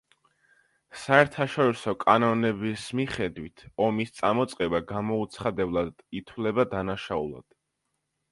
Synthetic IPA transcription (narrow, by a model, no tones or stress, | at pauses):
saɛɾt̪ʰaʃɔɾisɔkʼanɔnɛbismiχɛd̪wit̪ʰɔmist̪sʼamɔt̪sʼqʼɛbaɡamɔut̪sʰχad̪ɛblˠad̪it̪ʰwlɛbad̪anaʃaṵlˠa̰d̪̥